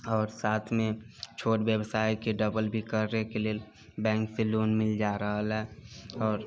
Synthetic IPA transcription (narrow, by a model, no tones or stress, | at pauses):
ɔːɾsaːt̪ʰmẽt͡ʃʰoːʈwjəbsaːikeɖəbəlbʱikəɾːekeleːl | bɛ̃ːŋkseloːnmɪld͡ʒaːɾəɦəlɦɛɔːɾ